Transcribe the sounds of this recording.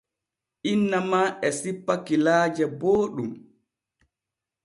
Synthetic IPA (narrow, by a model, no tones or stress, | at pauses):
ʔinːamaːʔɛsipːakilaːd͡ʒɛboːɗum